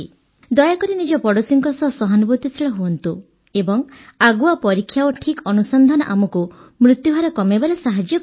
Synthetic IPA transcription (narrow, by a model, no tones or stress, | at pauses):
d̪ɔjakɔɾinid͡ʒɔpɔɽɔsiŋkɔsɔsɔɦɔnbot̪isiɭɔɦuɔnt̪u | ebɔŋaɡuapɔɾikʰjawɔʈʰikɔnusɔnd̪ʱanɔʔamɔkumɾut̪juɦaɾɔkɔmebaɾesaɦad͡ʒjɔk